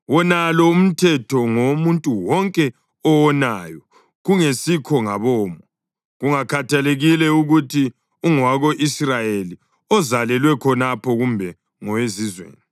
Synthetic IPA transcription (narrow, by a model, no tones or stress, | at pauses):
wɔnalɔum̩tʰɛtʰɔŋomuntʼuwɔŋkʼɛ | ɔwɔnajɔ | ɣuŋesikʰɔŋaβɔːmɔ | ɣuŋakʰatʰaleɣilɛuɣutʰi | uŋwaɣoʔisrajeli | ɔzalɛlwɛkʰɔnapʰɔɣumbʱɛ | ŋɔwezizwḛːni